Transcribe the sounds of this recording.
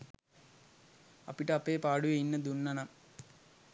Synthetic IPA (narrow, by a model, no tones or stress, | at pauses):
ɐ̰pːiʈːɐɐpːeːpaːɽuʋeinːɐd̪unːɐnɐm